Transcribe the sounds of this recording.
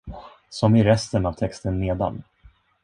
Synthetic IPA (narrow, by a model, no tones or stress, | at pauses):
sɔmɪɾɛst̪ənavt̪ʰɛkst̪ənːeːd̪a̰n